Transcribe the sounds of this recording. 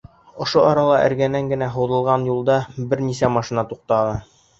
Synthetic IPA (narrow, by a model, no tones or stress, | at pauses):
ŏʃoʔɒɾɑlˠɑʔɘ̰̆ɾɡænæŋɡɘ̆næɦŏwðɤ̆lˠʁɑnjulˠd̪ɑbɘɾnisæmɑʃinɑt̪uq̚t̪ɑʁɤ